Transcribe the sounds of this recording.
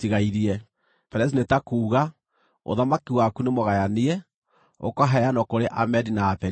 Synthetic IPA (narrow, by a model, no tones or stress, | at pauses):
tiɣaiɾiɛ | pɛɾɛs̬inetakuːɣa | o̰ðamakiwakunemoɣajaniɛ | o̰kɔɦajanɔkoɾeʔamɛdinaːpɛ